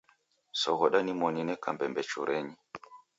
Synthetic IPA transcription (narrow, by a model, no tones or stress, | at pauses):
sɔɣɔɗanimɔninɛkambɛmbɛt͡ʃuɾʔɛɲi